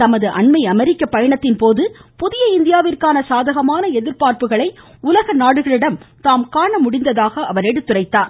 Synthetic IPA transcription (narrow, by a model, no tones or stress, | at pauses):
t̪ɐmɐðɯʔɐɳmɐɪɐmɛɾɪkːɐpːɐjɐɳɐt̪ːɪnpoːðɯpʊðɪjɐɪnd̪ɪjaːʋɪrkaːnɐsaːðɐɣɐmaːnɐɛðɪɾpaːrpɯɣɐɭɐɪ | ʊlɐɣɐnaːɽɯɣɐɭɪɽɐmt̪aːmkaːɳɐmʊɽɪnd̪ɐðaːɣɐːʋɐɾɛɽɯt̪ːʊrɐɪt̪ːaːn